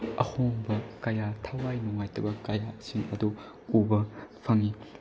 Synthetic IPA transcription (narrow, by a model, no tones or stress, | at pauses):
ɐ̰hoŋbɐkɐjatʰawajnuŋajtɐbɐkɐjasiŋɐdu | ubɐpʰɐŋi